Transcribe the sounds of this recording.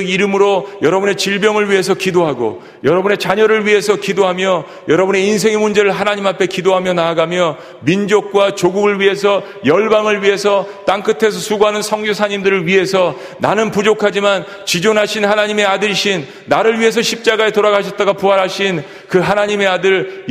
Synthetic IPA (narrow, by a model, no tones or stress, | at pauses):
ɡiɾɯmɯɾojʌɾʌbune̞t͡ɕiɭbjʌŋɯɭɥiɦe̞s̬ʰʌkidoɦaɡo̰ | jʌɾʌbune̞t͡ɕaɲʌɾɯɭɥiɦe̞sʰʌkidoɦamjʌ | jʌɾʌbune̞ins̬ʰe̞ŋemund͡ʑeɾɯɭɦanaɲimapʰe̞kidoɦamjʌnaːɡamjʌ | mind͡ʑok̚k͈wat͡ɕoɡuɡɯɭɥiɦe̞sʰʌ | jʌɭbaŋɯɭɥiɦe̞sʰʌt͈aŋk͈ɯtʰe̞s̬ʰʌsʰuɡoɦanɯnsʰʌŋɡjosʰaɲimdɯɾɯɭɥiɦesʰʌ | nanɯnpud͡ʑokʰad͡ʑiman | t͡ɕid͡ʑonɦaɕʰinhanaɲime̞adɯɭɕʰinː | aɾɯɭɥiɦe̞s̬ʰʌɕʰip̚t͡ɕ͈aɡae̞toɾaɡaɕʰʌt̚t͈aɡapuɦaɾɦaɕʰin | kɯɦanaɲime̞adɯɭ